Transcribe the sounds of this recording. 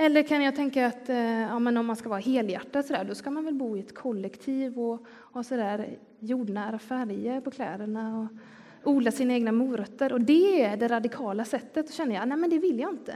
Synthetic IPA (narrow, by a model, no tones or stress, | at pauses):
ɛlːəɾkʰanjɑːɡt̪ʰɛŋkaːt̪ɑːmɛnɔmːanskavɑːɾɦeːljæ̰ʈːasɔd̪æ̰ːɖɔskamanvɛlbuːɪɛt̪kʰɔlːɛkt̪ʰiːvɔ | hɑːsɔd̪æːɾ | juːɖɳaɾafæɾjəpʰɔkʰlɛ̰ːd̪əɳaɔ | uːd̪lasiːnaeːɡnamuːɾœt̪ːəɾɔd̪ɛæɖɛɾad̪ɪkʰɑːlasɛt̪ːət̪sɔɕɛnːəjanæɪmɛnd̪ɛvɪlːjaɪnt̪ə̰